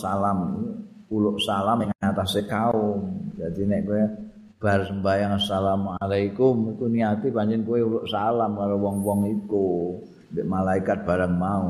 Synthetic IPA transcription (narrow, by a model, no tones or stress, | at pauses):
salamiulʊʔsalamŋaat̪asekaʊmd͡ʒad̪inɛʔkuɛ | b̥aɦarsəmbajaŋasalamalaikʊmit̪uniat̪ibaɲd͡ʒɪnkueulʊʔsalamkaɾowɔŋwɔŋik̪u | deʔmalaikat̪̚b̥aɾanmau